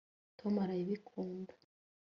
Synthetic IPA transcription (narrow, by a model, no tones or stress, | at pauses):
tʰomaɾajiβikʰuːndḁ